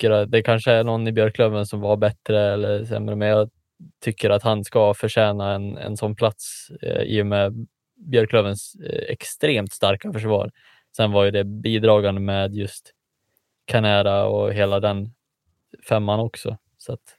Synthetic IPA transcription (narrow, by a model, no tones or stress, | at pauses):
kːəɾat̪d̪ɛkʰanʂəæɳɔnːɪbjœɾkʰlœvənsɔmvaɾbɛt̪ɾəɛlːəɾsɛ̰mːɾəmɛnjɑː | t̪ʰʏkːəɾat̪hanskafœʂɛːnaɛnɛ̰nsɔnːpʰlat̪sḭːɔmɛ | bjœɾkʰlœvənsɛ̰kst̪ɾeːmt̪st̪aɾkafœʂvɑ̰ːɾ | sɛnvaɾjɵd̪ɛbiːd̪ɾɑːɡand̪əmeːd̪jɵst̪ | kʰanæːɾaɔ̰ɦeːlad̪ɛn | fɛmːanɔksɔ̰ | sat̪